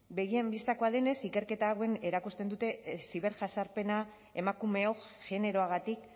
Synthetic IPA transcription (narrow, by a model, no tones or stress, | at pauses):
be̞ɣ̞iembist̪ako̞aðe̞ne̞sike̞ɾke̞t̪aɣwe̞ne̞ɾakust̪e̞nd̪ut̪e̞siβe̞ɾʝasaɾpe̞na | e̞makume̞o̞ʝe̞ne̞ɾo̞aɣ̞at̪ik